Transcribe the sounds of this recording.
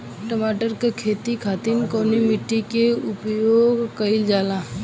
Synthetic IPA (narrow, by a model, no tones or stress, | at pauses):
ʈəmaːʈəɾkekʰeːt̪ikʰaːt̪inkoːnimɪʈːikeʊpjoːɡkəɪld͡ʒaːla